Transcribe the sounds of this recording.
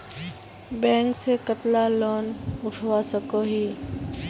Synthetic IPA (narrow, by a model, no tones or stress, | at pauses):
bɛ̃ːŋksekət̪lalɔːnʊʈʰwasəkoɦiː